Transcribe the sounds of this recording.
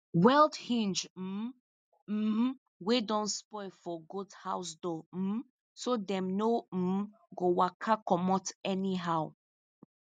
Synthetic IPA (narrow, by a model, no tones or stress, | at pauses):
wɛldhĩnd͡ʒm̩ | wedɔ̃nspɔɪfɔɡudhaʊsdɔ | sodɛ̃mnom̩ | ɡowakʰakɔmɔtɛniɦaʊ